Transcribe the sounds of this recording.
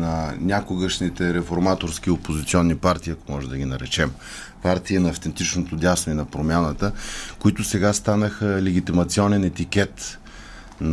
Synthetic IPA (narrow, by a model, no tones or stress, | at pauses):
nɐnʲakoɡəʃnit̪ɛɾɛfoɾmat̪oɾsk̟iopozit̪siɔnːipaɾt̪iːɐkomɔʒɛd̪ɐɡ̟ʲinɐɾɛt͡ʃɛm | paɾt̪iːnɐːft̪ɛnt̪it͡ʃnot̪od̪ʲasnoinɐpɾomʲjanət̪əkoit̪ʊsɛɡast̪anəxəlɛɡit̪imɐt̪siɔnɛnɛt̪ik̟ɛt̪ | n